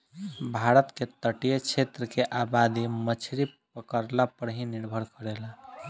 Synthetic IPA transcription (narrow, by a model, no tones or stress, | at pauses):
bʱaɾət̪ket̪əʈijet͡ʃʰet̪ɾəkeʔabad̪imət͡ʃʰɾipəkəɾlapəɽɦiniɾbʱəɾkəɾela